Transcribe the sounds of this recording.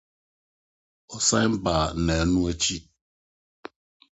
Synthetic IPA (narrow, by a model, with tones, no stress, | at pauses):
ɔ˨sã˦jm̩˦baː˨nɛ̃˨˦nũ˦ɛ˦t͡ɕʰi˦